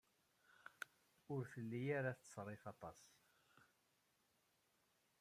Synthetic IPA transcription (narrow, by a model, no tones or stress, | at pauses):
ʊɾfəlːijaɾaθt͡sːsˤɾˤefɑt̪ˤɑs